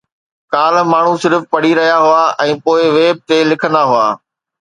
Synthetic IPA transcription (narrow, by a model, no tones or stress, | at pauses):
kaːlmaːɳ̤ũsɪɾfpɐɽ̤iɾɐɦijaɦʊaʔɛ̃ːpoːɪʋeːb̚t̪elɪkʰə̃nd̪aɦʊa̰ː